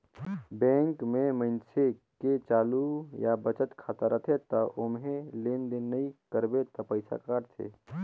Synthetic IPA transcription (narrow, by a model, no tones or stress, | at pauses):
bɛ̃ːŋkmẽmənseket͡ʃaːlujabət͡ʃət̪kʰaːt̪əɾət̪ʰet̪ɐʔʊmɦẽlend̪inːəikəɾbet̪ɐpəɪsa̰kaːɾt͡ʃʰḛ